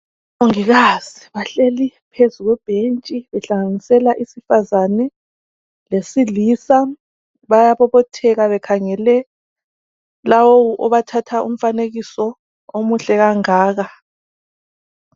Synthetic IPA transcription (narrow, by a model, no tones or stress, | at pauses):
oŋiɣaz̥iβaɬelipʰezuɣwɛb̥ʱent͡ʃʼiβɛɬaŋanisɛlaʔisifazanɛ | lesiliːsa | βajaβɔβɔtʰɛɣaβɛkʰaŋɛlɛ | lawowuʔɔβatʰatʰaʔum̩faneɣisɔ | omuɬɛɣaŋaːɣa